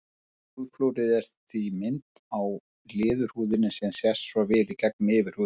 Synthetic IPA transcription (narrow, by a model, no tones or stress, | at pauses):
uðflowɾɪðɛɾ̥t̪θimɪnt̪ | aw | lɪːðʏɾ̥huːðɪnːɪsɛmsjɛst̪svavɪɾɪcɛk̚nmɪvɪɾ̥huː